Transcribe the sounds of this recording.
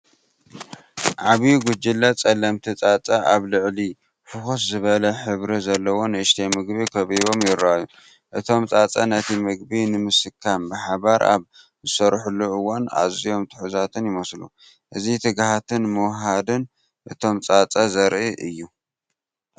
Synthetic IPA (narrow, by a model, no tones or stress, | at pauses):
ʕaβjiɡʊd͡ʒɪlːat͡sʼɐlɐmt̪ʰit͡sʼat͡sʼaʔaβlɨʕli | fɨxos̬zɨβɐlɐħɨβɾizɐlːɐwo̞nɨɨʃt̪ʰejmɨɡbikʰɐβiɾo̞mjɪɾaju | ʔɨt̪ʰo̞mt͡sʼat͡sʼɐnɐt̪ʰimɨɡbinɨmɨsɨkʰːambɨħaβaɾʔa̰β | zɨsɐɾħulːuɨwːana̰zijo̞mt̪ʰɨ̥ħuzat̪ʰɨnjɪmɐslu | ʔɨzit̪ʰɨɡhat̪ʰɨnmɨwɦad̪ɨn | ʔɨt̪ʰo̞mt͡sʼat͡sʼɐzɐɾʔiʔɨjːu